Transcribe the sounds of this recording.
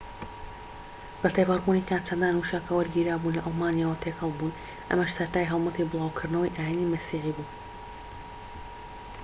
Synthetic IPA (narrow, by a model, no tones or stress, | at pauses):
b̥ɐt̪ejbaɾbuːnikʰaːnt͡ʃɐnd̪aːnuʃakʰɐwɐɾɡiːɾaːbunlɐʔɐlˠmaːnjaːwɐt̪ʰeːkhɐlˠbuːn | ʔɐ̰mɐʃsɐɾt̪aːjɦɐlˠmɐt̪ʰebɨlˠaːwkʰɨɾd̪nɐwɐjʔaːjinimɐsiːħiːbuː